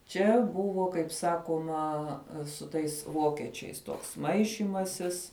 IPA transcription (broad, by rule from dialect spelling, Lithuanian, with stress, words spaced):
ˈt͡ʃʲɛ ˈbʊʋoː kɐɪp ˈsɑːkuɔmɐ sʊ ˈtɐɪs ˈʋoːkʲɛt͡ʃʲɛɪs toːks ˈmɐɪʃʲiːmɐsʲɪs